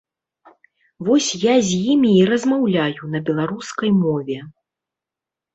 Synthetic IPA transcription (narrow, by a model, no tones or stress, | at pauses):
vɔsʲjazʲjimʲiːɾɐzmawlʲajunɐbʲɛlˠaɾuskɐjmɔvʲɛ